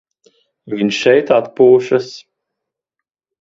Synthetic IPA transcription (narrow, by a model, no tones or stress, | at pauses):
viɲʃɛjt̪at̪̚puːʃas